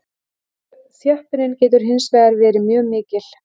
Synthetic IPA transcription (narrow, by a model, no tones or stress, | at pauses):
θjœhpɪɾɪncɛːt̪̬ʏɾ̥ɦɪnsvɛːɣaɾvɛːɾɪmjœːɣmɪːcɪl̥